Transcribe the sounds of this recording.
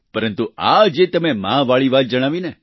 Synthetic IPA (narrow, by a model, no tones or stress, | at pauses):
pəɾənt̪ua̰d͡ʒet̪əmemãʋaɭiʋat̪̚d͡ʒəɽ̃aʋine